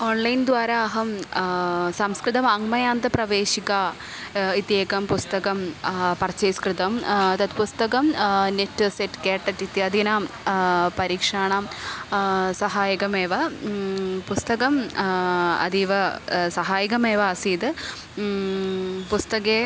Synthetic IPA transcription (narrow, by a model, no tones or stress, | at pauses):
oːnlɐjnd̪ʋaːɾɐːɦɐm | sɐmskɾɨt̪ɐmɐŋmɐjaːnt̪ɐpɾɐʋeːʃikaː | it̪jeːkɐmpust̪ɐkɐmpɐrt͡ʃɐjskɾɨt̪ɐmt̪ɐt̪pust̪ɐkɐmneʈːseʈkeːʈːɐʈːit̪iɐd̪inaːm | pɐɾiːkʂaːɳam | sɐɦaːjɐkɐmeːʋɐ | pust̪ɐkɐm | ɐ̰d̪iːʋɐsɐɦaːjɐkɐmeːʋɐːsiːd̪ | pust̪ɐkeː